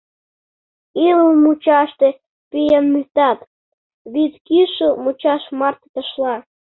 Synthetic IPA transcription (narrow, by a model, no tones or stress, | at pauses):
ilumut͡ɕɑʃt̪e | pijɑnmyt̪ɑt̪ | βit̪kiʃumut͡ɕɑʃmɑrt̪t̪ə̆ʃlɑ